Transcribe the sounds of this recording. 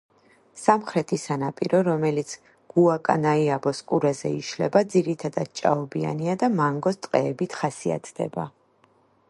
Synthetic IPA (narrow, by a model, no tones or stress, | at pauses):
samχɾɛt̪ʰisanapʼiɾɔɾɔmɛlit̪sʰ | ɡ̥uakʼa̰naiabɔskʼuɾazɛ̰iʃlɛbad̪ziɾit̪ʰad̪ad̪̥̚t͡ʃʼa̰ɔbia̰niad̪amaŋɡɔst̪ʼqʼɛːbit̪ʰχasia̰t̪ʰd̪ɛ̰ba